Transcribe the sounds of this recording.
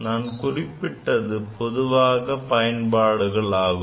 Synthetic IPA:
naːnkʊrɪpːɪʈːɐðɯpɔðɯʋaːɣɐpɐjɐnbaːɽɯɣɐɭaːɣɯ

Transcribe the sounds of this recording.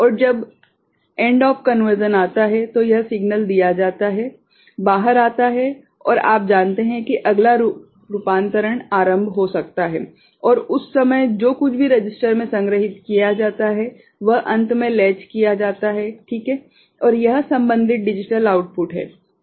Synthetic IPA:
ɔːɾd͡ʒɐb | ẽːɳɖɔːfkɐnʋəɾd͡ʒənaːt̪aɦɛt̪ojɐɦsɪɡnəld̪ijad͡ʒaːt̪aɦɛ | baːɦəɾaːt̪aɦɛ | ɔ̰ːɾa̰ːp̚d͡ʒaːnt̪eɦɛ̃kiʔɐɡlaɾ | ɾʊpãːnt̪əɾəɽ̃aːɾə̃mbʱɦosɐk̚t̪aɦɛ̰ | ɔːɾʊsːɐməjd͡ʒoːkʊt͡ʃʰbʱiɾɐd͡ʒɪsʈəɾmẽsɐ̃ŋɡɾəɦɪt̪kijad͡ʒaːt̪aɦɛ | ʋɐɦʔɐ̃nt̪mẽlɛːt͡ʃkijad͡ʒaːt̪aɦɛʈʰiːkɦɛː | ɔːɾjɐɦsɐ̃mbə̃nd̪ʱɪt̪̚ɖɪd͡ʒɪʈəlaːʊʈ̚pʊʈɦɛ̰ː

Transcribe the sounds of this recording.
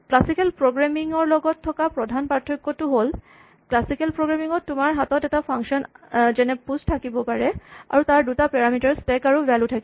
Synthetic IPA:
klasikɛlpɹoɡɹamiŋɔɹlɔɡɔtʰːɔkapɹɔdʱanpaɹtʰːɔkːɔtʊɦol | klasikɛlpɹoɡɹamiŋɔtːʊmaɹɦatɔtɛtapʰaŋsɔnzɛnɛpustʰakibɔpaɹɛa̰ɹutaɹdutapɛɹamitaɹstɛkaɹubɛlutʰaki

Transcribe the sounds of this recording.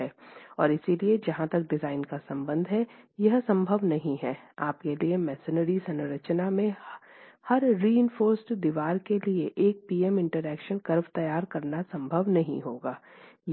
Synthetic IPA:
ɛːɔːɾɪsilied͡ʒɐɦãt̪ɐk̚ɖɪzaːɪnkasɐ̃mbə̃nd̪ʱɦɛjɐɦsɐ̃mbʱəʋnɐɦĩɦɛaːpkeliemɛːsɪnəɾisɐ̃nɾət͡ʃnamẽ | hɐɾːiːɪ̃nfoːɾsʈd̪iʋaːɾkelieʔeːk̚piːɛmɪ̃ɳʈəɾɛːkʃənkɐɾʋt̪ɐjaːɾkɐɾnasɐ̃mbʱəʋnɐɦḭ̃ɦoːɡaː | j

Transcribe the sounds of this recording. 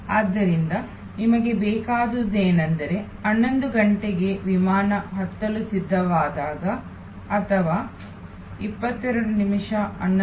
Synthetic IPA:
aːd̪ːɐɾind̪ɐ | nimɐɡe̞bɛːkaːd̪ud̪eːnɐnd̪ɐɾe̞ | ɐnːond̪uɡɐɳʈeɡe̞ʋimaːnɐɦɐt̪ːɐlusid̪ʱːɐʋaːd̪aːɡɐː | t̪ʰɐʋaː | ipːɐt̪ːɛɾɐɽunimiʂɐɐnː

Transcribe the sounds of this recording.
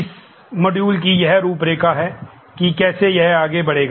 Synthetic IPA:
ɪs | mɐɖjuːlk̬ijɐɦɾuːpɾeːkaɦɛː | kikɛːsejɛɦaːɡebɐɽeːɡaː

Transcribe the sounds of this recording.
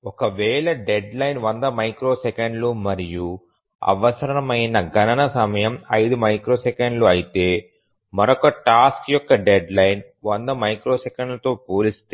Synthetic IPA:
ɔkɐʋɛːɭɐɖeɖlɐjnʋɐnd̪ɐmɐjkɾo̞ːsekɐɳɖlumɐɾiju | ɐ̰ʋɐsɐɾɐɾɐmɐjnɐɡʱɐnɐnɐsɐmɐjɐmɐjd̪umɐjkɾo̞ːsekɐɳɖluɐjit̪e̞ː | mɐɾɔkɐʈaːskjɔkːɐɖeɖlɐjn | ʋɐnd̪ɐmɐjkɾo̞ːsekɐɳɖlɐt̪o̞ːpuːlist̪e

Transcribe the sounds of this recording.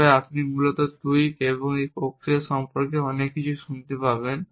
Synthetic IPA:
eapnimulot̪ot̪ujkeβoŋejpokʰɾieɾʃɔmpoɾkeɔnekːit͡ɕʰuʃunt̪epaben

